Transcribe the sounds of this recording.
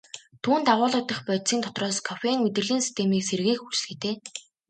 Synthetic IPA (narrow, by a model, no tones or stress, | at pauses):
t̪ʰuːnt̪aʁʊːɮə̆k̚t̪ə̆χpœt̪siːnt̪ʰɔ̥t̪rɔːskʰɔfeŋɵt̪ɘ̆rɮiːnsi̥st̪ʰemiːkserɣiːkxxut͡ɕɮɡĭt̪eː